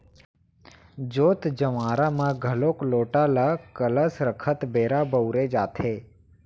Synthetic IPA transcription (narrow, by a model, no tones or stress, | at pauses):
d͡ʒoːt̪d͡ʒəʋaːɾamãɡʱəloːkloːʈalakələsɾəkʰət̪beːɾabəʊɾed͡ʒaːt̪ʰeː